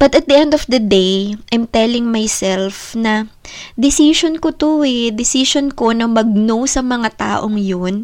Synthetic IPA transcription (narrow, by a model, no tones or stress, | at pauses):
b̥ɐt̪ɐt̪̚d̪iʔɛnd̪ofd̪ɐd̪ejʔɐjmt̪ɛlɪŋmajsɛlfnɐ | d̪ɪsiʃonkot̪oɛd̪ɪsiʃonko̞nɐŋmɐɡ̚nowsɐmɐŋat̪a̰ːʔoŋjon